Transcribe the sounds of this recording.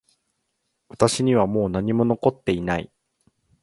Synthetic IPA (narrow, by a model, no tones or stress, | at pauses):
βat̪aɕiɲ̟iβ̞amo̞ːnaɲ̟imo̞no̞ko̞t̪ːe̞inai